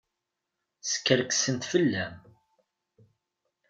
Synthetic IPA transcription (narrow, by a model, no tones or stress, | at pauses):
sə̥kːəɾksənt̪fəlːæm